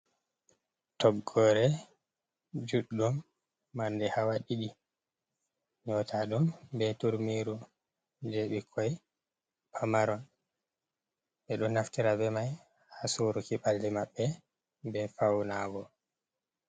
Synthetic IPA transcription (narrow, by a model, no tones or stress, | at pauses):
tɔɡːɔɾɛ | d͡ʒuɗːumː | andɛhawaɗiɗi | ɲɔtʰaɗumbɛtuɾmiːɾu | d͡ʒeɓikʰɔj | pʰamaɾɔn | ɓɛɗɔnːaftiɾabɛmaj | hasuɾukiɓaldɛmaɓːɛ | bɛfawnaɡɔ